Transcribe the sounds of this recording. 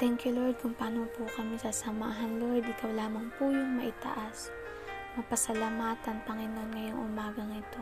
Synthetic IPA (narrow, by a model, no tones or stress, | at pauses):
t̪ɛŋkjʊloɹd̪̚kʊŋpaːnopʊkɐmisɐsɐma̰ɦɐnloɹd̪ɪkawlaːmɐŋpujʊŋmɐʔɪt̪ɐ̰ʔas | mɐpɐsɐlamaːt̪ɐnpɐŋɪno̞nŋɐjoŋʔʊ̰maːɡɐŋɪt̪o̞